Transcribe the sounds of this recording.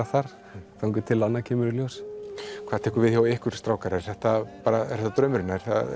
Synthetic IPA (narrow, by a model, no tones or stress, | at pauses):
aθaɾ̥ | θawŋkʏt̪ʰɪlanːacʰɛːmʏɾɪljowskʰvaːðt̪ʰɛːhkʏɾvɪðçjawɪhkʏɾ̥st̪ɾaːwkaɾɛɾ̥θɛht̪apaːɾaɛ̰̥hɛt̪at̪ɾœːmʏɾɪnːaɛɾ̥θa̰